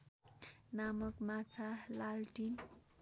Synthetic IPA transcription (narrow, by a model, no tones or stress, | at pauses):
namʌkmat͡sʰalalʈin